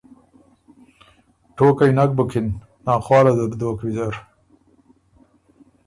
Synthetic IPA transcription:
ʈoːkajnak̚bukʰinː | ɑːχwɑːlad̪əɾd̪oːkwizaɾ

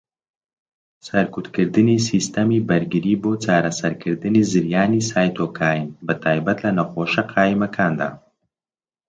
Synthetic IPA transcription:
sɐɾkut̪kəɾd̪ɨnisist̪amibɐɾɡiɾibot͡saːɾasaɾkəɾd̪ɨnizɪɾjaːnisaːjt̪okʰaːjimbət̪aːjbat̪lanaxoːʃaqʰaːjimakʰaːnd̪a̰

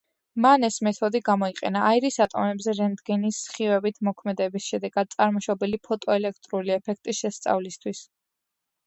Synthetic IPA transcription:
manɛsmɛt̪ʰɔd̪iɡamɔiqʼɛ̰naːiɾisat̪ʼɔmɛbzɛɾɛnd̪ɡɛnisːχiwɛbit̪ʰmɔkʰmɛd̪ɛbisʃɛd̪ɛɡad̪̚t̪sʼaɾmɔʃɔbilipʰɔt̪ʼɔɛlɛkʰt̪ʼɾuliɛpʰɛk̚ʰt̪ʼisʃɛst̪sʼa̰vlist̪ʰwis

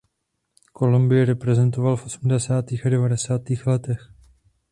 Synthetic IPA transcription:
ko̞lumbɪjɛɾɛpɾɛzɛnt̪o̞valfʔo̞sm̩dɛsaːt̪iːxadɛvadɛsaːt̪iːxlɛt̪ɛx

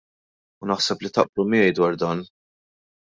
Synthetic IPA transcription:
ʊnɐħsɛplit̪ɐ̰ʔblumɪjɛjd̪wɐɾd̪ɐːn

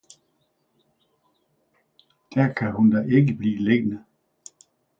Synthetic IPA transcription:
d̥æɐkʰæhund̥ɑʔe̝ɡəb̥lḭːle̝ɡ̥ənə

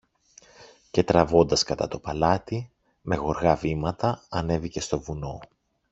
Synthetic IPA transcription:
ce̞t̪ɾɐvo̞nd̪ɐskɐt̪ɐt̪o̞pɐlɐt̪i | me̞ɣo̞ɾɣɐvimɐt̪ɐɐne̞vice̞st̪o̞vuno̞

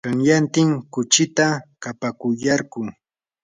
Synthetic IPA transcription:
kɑŋjant̪ɪŋkʊt͡ʃɪt̪akapakʊjaɾkʊ

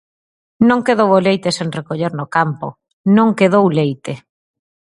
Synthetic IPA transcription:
nõŋkeð̞owolejt̪eseŋrekoʎeɾnokampo̰ | nõŋkeðowlejt̪e

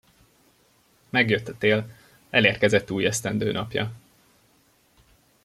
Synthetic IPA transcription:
mɛɡjøt̪ːɒ̥t̪eːl | ɛleːrkɛzɛt̪ːuːjɛst̪ɛnd̪øːnʔɒpjɒ̰

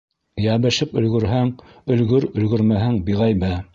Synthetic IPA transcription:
jæβɘ̆ʃɘpɵ̆lɡɵ̆ɾɦæŋ | ɵ̆lɡɵɾɵ̆lɡɵ̆ɾmæɦæŋbiʁæjβæ

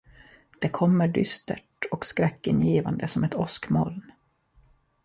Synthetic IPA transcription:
d̪̥ɛkʰɔmːəɖʏst̪ə̰ʈɔkskɾɛkːɪnjiːva̰nd̪əsɔmɛt̪ɔskmɔln

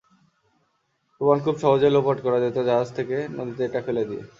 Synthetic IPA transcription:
pɾobankʰubʃɔɦod͡ʑolopaʈkɔɾad͡ʑet̪od͡ʑaɦad͡ʑt̪ʰekenod̪it̪eeʈakʰoled̪iḛ

